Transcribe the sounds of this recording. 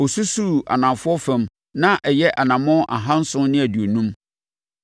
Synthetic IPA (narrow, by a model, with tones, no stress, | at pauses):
o˨su˦su˦˨a̰˨nã˨fʊ˦ɔ˦fɛ̃˦m | nã˦ʔɛ˨jɛ˦ʔa˨nã˨mɔ̃˦ʔa˨ɦã˦n̩˦sʊ̃˦nɪ̃˦æ˨dɥo˨nũ˦m